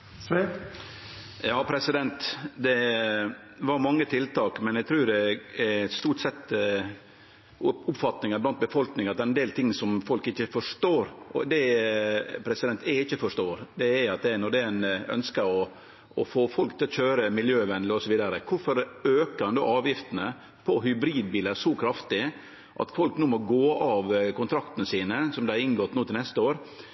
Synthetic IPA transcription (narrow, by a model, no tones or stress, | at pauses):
s | jɑːpʰɾɛsɪd̪ɛnt̪d̪ɛ | ʋɑɾmɑŋːət̪ʰɪlt̪ʰɑːkmɛnæɡt̪ʰɾʉːdɛɛst̪uːʈsɛt̪ː | ʊpfɑt̪nɪŋɑɾblɑnt̪̚bəfɔlknɪŋɑt̪d̪ɛɾɛnd̪eːlt̪ʰɪŋːsɔmfɔlkɪçːəfɔʂt̪oːɾʔɔd̪ɛ | pʰɾɛsɪd̪ɛnt̪ɛɪçːəfɔʂt̪oːɾd̪ɛɛɾɑt̪̚d̪ɛɛnɔɖɛɛnœ̰nskəɔ | ɔfoːfɔlkt̪ʰɪlɔçøːɾəmɪljøːʋɛnlɪɔsɔʋiːd̪ɑɾəkʰʊfɔɾøːknd̪o̰ːɑːʋjɪft̪ənə | pʰɔɦʏbɾiːd̪̚biːləɾsɔkʰɾɑft̪ɪ | ʔɑ̰t̪fɔlknuːmɔɡoːɑʋkʊnt̪ʰɾɑkt̪ənəsiːnəsɔmd̪ɛɾɪŋɡɔt̪ːnuːt̪ɪlnɛst̪əoːɾ